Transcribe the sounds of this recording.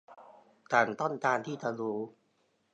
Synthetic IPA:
kaː˨˩nt̪ɔ˥˩nt̪aː˧nt̪ʰiː˥˩t͡ɕa˧ɾuː˨˦

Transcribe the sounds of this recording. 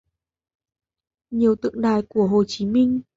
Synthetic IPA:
ɲi˨˩əwt̪ɨ̰˧˨əŋɗaː˨˩jku˧˩əɦo˨˩t͡ɕi˨˦mï˧ŋ̟

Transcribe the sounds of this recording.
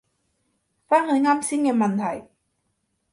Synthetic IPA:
faː˥ŋhɤː˧˥˦ŋa˧˥˨msi˧˥ŋe˧ma˧nt̪ʰa˨˩j

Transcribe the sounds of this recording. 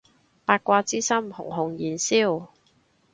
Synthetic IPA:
paː˧t̚kʷaː˧t͡siː˥sɐ˥mhʊ̰˨˩ŋɦʊ˨ŋjiː˨˩nsiː˥˩w

